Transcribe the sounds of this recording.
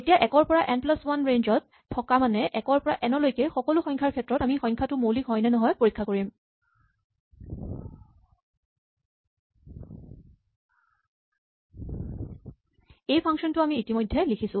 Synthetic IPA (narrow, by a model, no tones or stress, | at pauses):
etijaʔɛkɔɹpɔɹaʔɛnplaswanɹend͡ʒɔtʰːɔkamanɛʔɛkɔɹpɔɹaʔɛnɔlojkɛxɔkɔlʊxɔɲŋkʰaɹkʰɛtɹɔtamixɔɲkʰatʊmowlikɦɔjnɛnɔɦɔjpoɹikʰːakoɹim | ejpʰaŋsɔntʊamiːtimojdʱːɛlikʰisʊ̃